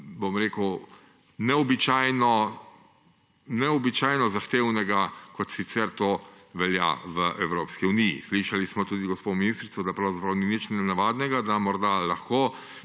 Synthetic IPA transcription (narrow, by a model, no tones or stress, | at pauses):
bomɾeːkəw | nɛɔbit͡ʃaːjnɔ | nɛɔbit͡ʃaːjnɔzaxt̪eːwnɛɡakɔt̪sit̪sɛɾt̪oːʋɛlja̰ʋəʔɛwɾoːpskiunijḭsliʃalismɔt̪uːd̪iɡɔspominiːst̪ɾit̪sɔd̪apɾawzapɾawninit͡ʃnɛnaʋaːd̪nɛɡad̪amɔɾd̪alaxkoː